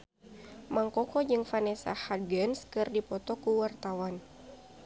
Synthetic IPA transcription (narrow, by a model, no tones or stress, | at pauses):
maŋkɔkɔd͡ʒɨŋfanɛsa̰hadɡɛnskɨrdipɔt̪ɔkuwart̪awan